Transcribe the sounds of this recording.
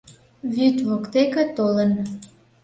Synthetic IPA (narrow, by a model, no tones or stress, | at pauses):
βyt̪vokt̪ekĕt̪olən